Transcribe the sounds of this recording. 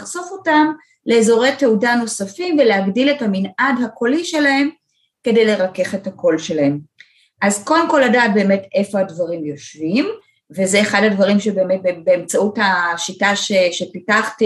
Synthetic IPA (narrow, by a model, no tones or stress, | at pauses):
aχzofo̞tam | le̞ːzo̞ʁe̞jteudano̞safimveleaɡdilethaminʔadhako̞liʃe̞lahe̞m | ke̞dejle̞ʁake̞χethako̞lʃe̞lahe̞m | ʔazko̞de̞mko̞lːadaːt̚be̞ːme̞te̞fo̞hadvaʁimjo̞ʃvim | vezeːχadadvaʁimʃebeːmet̚bebeemt͡sauthaʃitaʃeʃepitaχti